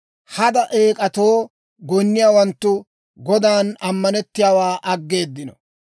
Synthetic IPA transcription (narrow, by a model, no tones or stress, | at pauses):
hɐd̪ɐʔeːkʼɐt̪o̞ː | ɡɔnːɪjaːwɐnt̪ːʊ | ɡɔd̪aːnɐmːɐnɛt̪ːɪjaːwaːʔɐɡːe̞ːd̪ːɪnɔ